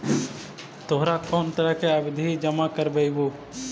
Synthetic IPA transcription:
t̪oɦɾakɔːnt̪əɾəɦkeəbd̪ʱiːd͡ʒəmakəɾbəɪboː

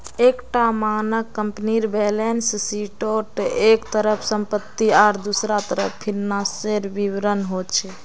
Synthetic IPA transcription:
ekʈamanəkːəmpniɾbelenssiʈoʈekt̪əɾəpʰsəmpət̪ːiaɾd̪usɾat̪əɾə̰ppʰːilnãseɾbiʋɾənɦot͡ʃʰɛ

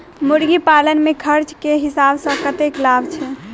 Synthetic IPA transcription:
muɾɡipalənmekʰəɾt͡ʃkeɦisabsə̃kət̪eklabt͡ʃʰɛ

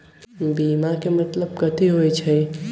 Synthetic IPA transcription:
bimakemət̪ləb̚kət̪iɦojt͡ʃʰə

